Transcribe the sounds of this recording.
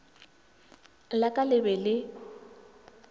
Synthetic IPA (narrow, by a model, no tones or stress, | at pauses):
lakʼalɪbɛlɪ